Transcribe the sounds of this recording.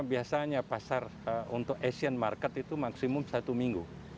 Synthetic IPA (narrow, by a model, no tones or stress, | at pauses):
biasaɲapasarəunt̪ʊkesianmarkɛt̪it̪umaksimʊmsat̪umiŋɡu